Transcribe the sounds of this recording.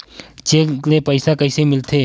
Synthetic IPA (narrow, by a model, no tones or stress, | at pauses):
t͡ʃeːleːpəɪsakəiːseimɪlt̪ʰeː